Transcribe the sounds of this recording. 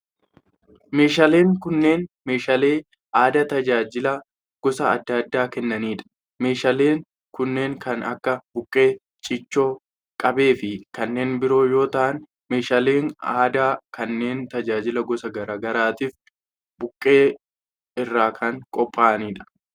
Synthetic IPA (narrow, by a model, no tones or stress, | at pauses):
me̞ːʃale̞ːŋkʊnːe̞ːnme̞ːʃɐle̞ː | ʔaːd̪ɐt̪ɐd͡ʒaːd͡ʒɪlɐ | ɡ̥ɔsɐ̰ːd̪ːɐd̪ːaːkɛnːɐniːᶑɐ̥ | meːʃɐle̞ːŋ | kʊnːe̞ːŋkɐnɐkːɐbʊkʼːe̞ː | t͡ʃʼɪt͡ʃːo̞ː | kʼɐbe̞ːfɪkɐnːe̞ːnbɪɾo̞ːjo̞ːt̪ɐʔɐn | me̞ːʃɐle̞ːŋaːd̪aːkɐnːe̞ːnt̪ɐd͡ʒaːd͡ʒɪlɐɡɔsɐɡɐɾaːɡɐɾaːt̪iːf | bʊkʼːe̞ː | ɪrːaːkʰɐŋkʼɔpʼːaːɐniːᶑɐ̥